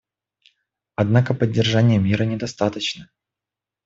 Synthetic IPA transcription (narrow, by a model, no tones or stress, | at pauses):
ɐd̪nakəpədʲːɪrʐanʲɪjəmʲiɾənʲɪd̪ɐst̪at̪ət͡ɕnə